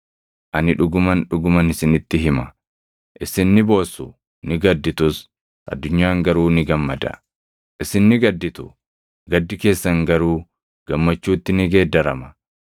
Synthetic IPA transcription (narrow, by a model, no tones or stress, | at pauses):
ʔɐnɪᶑʊɡʊmɐnᶑʊɡʊmɐnɪsɪnɪt̪ːɪɦɪmɐ | ʔɪsɪnːɪbo̞ːsʊ | nɪɡɐd̪ːɪt̪ʊs | ʔɐ̰d̪ːʊɲːaːŋɡɐɾuːnɪɡɐmːɐd̪ɐ̰ | ʔɪsɪnːɪɡɐd̪ːɪt̪ʊ | ɡɐd̪ːɪke̞ːsːɐŋɡɐɾuː | ɡ̥ɐmːɐt͡ʃːuːt̪ːɪnɪɡe̞ːd̪ːɐɾɐmɐ̥